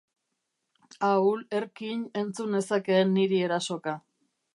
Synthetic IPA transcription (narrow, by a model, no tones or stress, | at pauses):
aule̞ɾkiɲe̞nt͡sune̞sake̞ːnːiɾie̞ɾaso̞ka